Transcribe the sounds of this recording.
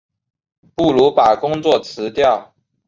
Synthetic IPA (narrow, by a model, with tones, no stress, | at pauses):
pu˥˩lu˧˥pa˨˩kʊ˥ŋt͡swɔ˥˨˩t͡sʰɹ̩˨˧˦t̪jɑ˥˨ʊ